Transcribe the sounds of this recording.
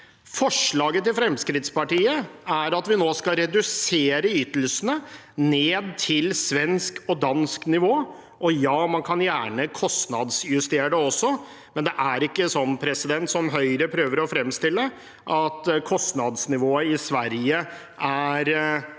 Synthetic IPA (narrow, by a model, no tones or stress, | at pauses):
fɔʂɭɑːɡət̪ɪlfɾɛmskɾɪt̪spɑʈiːəæɾɑt̪ʋɪnoːskɑɾɛd̪ʉseːɾəyːt̪əl̩sənə | neːd̪̚t̪ʰɪlsʋɛnskɔd̪ɑnsknɪʋoː | ʔɔjɑːmɑnkʰɑnjæːɳəkʰɔst̪nɑd̪sjʉst̪eːɖəɔsːɔ | mɛnd̪ɛʔæɾɪkːəsɔnːpʰɾɛsɪd̪ɛnt̪sɔmɦœʏɾəpʰɾøːʋəɾɔfɾɛmːst̪ɪlːə | ʔɑt̪kʰɔst̪nɑd̪snɪʋoːəɪsʋæɾjə | ʔæɾ